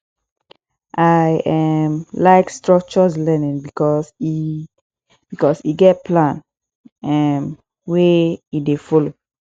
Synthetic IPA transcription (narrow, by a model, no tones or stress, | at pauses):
ʔaɪɛmlaɪkstɹɔk̚t͡ʃɔslɛnĩŋbikɔsi | bikɔsiɡɛt̚pʰlãn | ɛm | weidefɔlo